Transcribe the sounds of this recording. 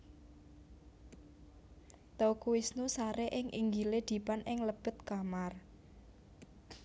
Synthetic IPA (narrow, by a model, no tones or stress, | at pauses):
t̪okuwɪsnusaɾeʔɪŋʔḭŋɡiled̪̥i̤panʔɪŋləb̥ə̤t̪̚kamar